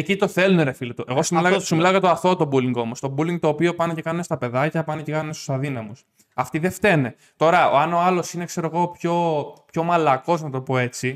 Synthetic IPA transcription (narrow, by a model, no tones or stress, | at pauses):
ecit̪o̞θe̞luneɾefilot̪uʔe̞ɣosimiilɐsimilɐoɣɐt̪oɐθo̞t̪o̞buliŋɡo̞mo̞st̪o̞buliŋɡ̚t̪o̞ːpio̞pɐne̞ce̞kɐnunest̪ɐpe̞ðɐcɐpɐnece̞kɐnunest̪u̥sɐðinɐmus | ɐft̪iðe̞ft̪e̞ne̞ | t̪o̞ɾɐoɐno̞ɐlo̞sine̞kse̞ɾo̞ɣo̞pço̞pço̞mɐlɐko̞znɐt̪o̞po̞e̞t͡si